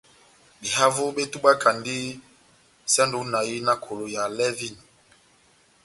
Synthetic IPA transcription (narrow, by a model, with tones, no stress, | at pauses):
bi˨ɦa˦vo˦be˦tu˦ɓa˦kʰa˨ndi˦ | sa˦ndu˦na˨ji˦na˦kʰo˨lo˨ja˨lɛ˦vi˦˨n˨